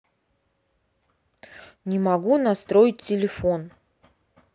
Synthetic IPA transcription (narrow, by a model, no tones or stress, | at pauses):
nʲɪmɐɡunɐst̪ɾo̞ɪtʲːɪlʲɪfon